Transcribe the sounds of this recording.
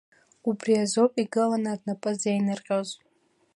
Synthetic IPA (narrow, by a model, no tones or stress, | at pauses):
ubriazopʼiɡɨlanadnapʼɨzejnɨrqʲʼaz